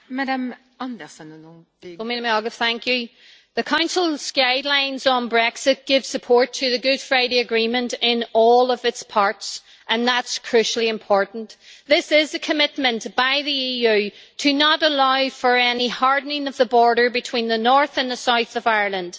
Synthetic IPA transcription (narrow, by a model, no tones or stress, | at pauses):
madam | ɑ̃ndɛsənñ | maɾmɑɡəfθæ̃ŋkjʉ | ðɨkʰãʊ̃nsl̩ˠskaɪdˡlãɪ̃nzn̩bɹɛksɪt̚ɡ̥ɪv̥səpʰɔɹtʰɨðɨɡʊd̥fɹaɪɾiɨɡɹĩmə̃ntɪ̃nɔlˠʌvɨtspʰaɹts | ʔə̃nðətskʰɹ̥ʉʃl̩ˠiɨ̃mpʰɔɹʔn̩tðɪsɪzɨkʰəmɪt̚mə̃nb̥aɪðiijʉtʰɨnəɾəlaɪfə˞ɛnihɑɹdⁿnɪ̃ŋʌvðəbɔɹɾə˞bɨtʰw̥ĩnðənɔɹθə̃nðəsaʊθʌvaɪə˞lˠə̃nd̥